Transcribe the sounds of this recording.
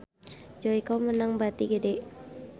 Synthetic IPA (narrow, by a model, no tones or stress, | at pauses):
d͡ʒoikomənaŋbat̪iɡədɛ